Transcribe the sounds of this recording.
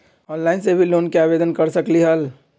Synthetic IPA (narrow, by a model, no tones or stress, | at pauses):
ɔːnlaɪnsebʱiloːnkeaːbed̪ənkəɾsəkliɦəl